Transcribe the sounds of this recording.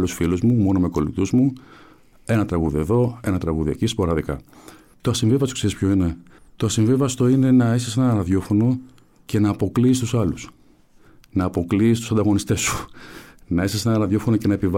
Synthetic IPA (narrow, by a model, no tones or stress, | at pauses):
lusfiluzmumo̞no̞me̞ko̞lḭt̪uzmu | e̞nɐt̪ɾɐɣuðie̞ðo̞e̞nɐt̪ɾɐɣuðiḛcispɐɾɐðikɐ̰ | t̪o̞ɐsiɱvivɐst̪o̥kseɾispço̞ine̞ | t̪o̞ɐsiɱvivɐst̪o̞ine̞nɐesise̞nɐnɾɐðjo̞fo̞no̞ | ce̞nɐːpo̞kliːst̪usɐlus | nɐːpo̞kliːst̪usɐnd̪ɐɣo̞nist̪e̞su̥ | nɐesisenɐɾɐðjo̞fo̞no̞ce̞nɐepiv